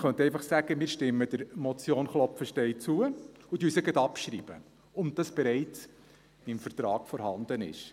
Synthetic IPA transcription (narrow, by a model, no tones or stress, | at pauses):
χœnt̪ɛɪjfɑχsæɡ̥əmɪːɾʃtɪmːəd̥əɾmɔt͡sjoːnχlɔpfəʃtɛɪt͡suə | ut̪yːsəɡədɑpʃɾiːb̥ə̰ | ʊnd̥ɑsb̥ɛɾɛɪt͡s | ɪmfərt̪ɾɑːkfɔɾhɑnd̪ənɪ̰ʃ